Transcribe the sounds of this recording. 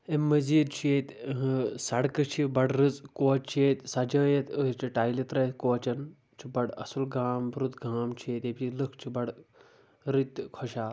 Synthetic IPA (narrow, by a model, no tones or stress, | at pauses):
emɐziːd̪t͡ʃʰeːt̪ | sɐɽkɐt͡ʃʰibɐɽɾɨd͡zkoːt͡ʃʰet̪sɐd͡ʒɐːjet̪ət͡ʃiʈaːjlit̪ɾɐt̪koːt͡ʃɐn | t͡ʃʰibɐɽɐ̰sulɡaːmbɾut̪ɡaːmt͡ʃʰieːt̪ebilɨkʰt͡ʃʰibɐɽ | ɾit̪ʲkʰɔʃaː